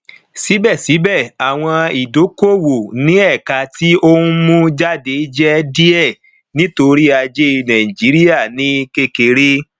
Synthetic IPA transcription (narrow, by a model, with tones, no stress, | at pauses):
si˨˦bɛ˦˨si˨˦bɛ˦˨a˨w̃ɔ̃˧i˨do˨˦ko˦˨wo˨nĩ˨˦ɛ˦˨ka˧ti˦o˦hũ˦mũ˦d͡ʒa˦de˨˦d͡ʒɛ˦di˦ɛ˦˨ | nĩ˦to˧ɾi˦a˧d͡ʒe˦˧nã˨ĩ˨d͡ʒi˨˦ɾi˦ja˦˨nĩ˨˦ke˦ke˧ɾe˦